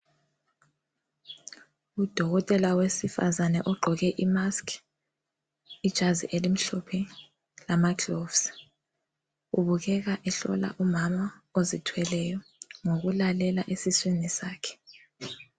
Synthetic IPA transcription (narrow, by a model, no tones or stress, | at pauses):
ud̥ʱɔɣɔtʼɛlawesifa̰zanɛʔɔɡ͡ǃʱɔɣɛʔimaskʰ | id̥ʒ̥ʱazḭʔelim̩ɬɔpʰɛ | lamaɡlovs | uβuɣ̬ɛɣ̬aʔɛɬɔ̰la̰ʔumamaozitʰwɛlɛjɔŋoɣ̬ulalɛlaʔesiswinisaːkʰɛ̥